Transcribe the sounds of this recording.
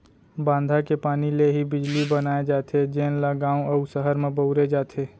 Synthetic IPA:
bãːnd̪ʱakepaːnileɦibɪd͡ʒlibənaːed͡ʒaːt̪ʰed͡ʒenlaɡãːuəusəɦəɾmẽbəʊɾed͡ʒaːt̪ʰe

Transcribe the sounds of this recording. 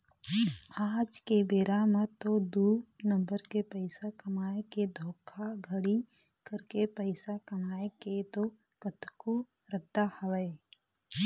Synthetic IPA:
aːd͡ʒkebeːɾamət̪od̪uːɾnə̃mbəɾkepəɪsakɐmaːeked̪ʱoːkʰaɡʱəɽi | kəɾkepəɪsakɐmaːeket̪o | kət̪koɾəd̪ahɐʋeː

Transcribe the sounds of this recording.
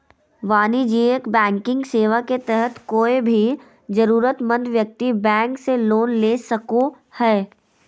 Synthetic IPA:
ʋaːnid͡ʒiːekbɛ̃ːŋkɪ̃ŋɡseːʋaket̪ɛɦət̪koːebʱi | d͡ʒɐɾuːɾət̪mə̃nd̪ʋjək̚t̪ibɛ̃ːŋkseloːnleːsɐko | hɛː

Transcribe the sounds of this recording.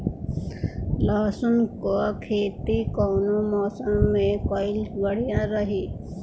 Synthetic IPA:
lɔːsəmkokʰeːt̪ikɔːnomɔːsə̃mːẽkɔɪlɡəɽ̤ijaɾəɦiː

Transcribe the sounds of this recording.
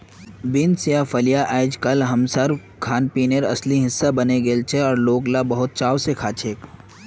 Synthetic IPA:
bɪnsjãfɐljaʔɛːd͡ʒkɐlɦɐmsəɾ | kʰaːnpiːneɾɐ̰sliɦɪsːabɐneɡeːlt͡ʃʰeɔːɾloːklabɐɦʊt̪̚t͡ʃaːwsekʰaːt͡ʃʰeːk

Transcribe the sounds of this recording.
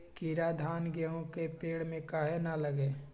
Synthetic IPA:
kiɾad̪ʱaːnɡeɦõkepeːɽmẽkaːɦenaləɡeː

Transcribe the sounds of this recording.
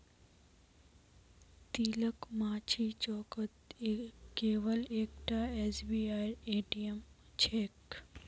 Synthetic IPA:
t̪iːləkmãːt͡ʃʰiːt͡ʃɔːkət̪ekːeːʋəleːkʈaeːsbiːaːieːʈijəm | t͡ʃʰeːk

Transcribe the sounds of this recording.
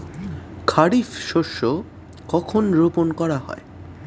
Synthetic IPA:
kʰaɾifʃoʃːo | kɔkʰonɾoponkɔɾaɦɔ̰e

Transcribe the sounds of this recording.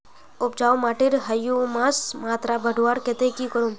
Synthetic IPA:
ʊp̚d͡ʒaːwmaːʈiɾɦɐjumaːsmaːt̪ɾabʱɐɖʱuaɾket̪ekikəɾum

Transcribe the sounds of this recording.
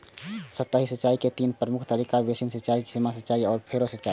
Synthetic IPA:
sət̪ːəɦisət͡ʃːaiket̪inpɾəmukʰt̪əɾikabesinsət͡ʃaisimasət͡ʃaiɔːɾpʰeɾosət͡ʃai

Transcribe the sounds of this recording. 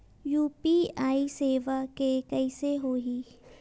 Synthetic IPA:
juːpiaːiseːʋakekɛɪseɦoːɦiː

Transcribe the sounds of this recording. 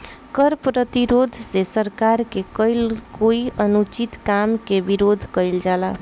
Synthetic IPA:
kəɾpɾət̪iɾod̪ʱsesəɾkaɾkekəjlkoiʔənut͡ʃit̪kamkebiɾod̪ʱkəjld͡ʒala

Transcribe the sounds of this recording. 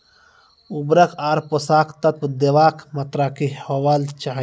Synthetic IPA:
ʊbɾəkʰaːɾposaːkt̪ɐt̪̚wd̪eʋaːkʰmɐt̪ɾakihɐʋaːlt͡ʃaːɦ

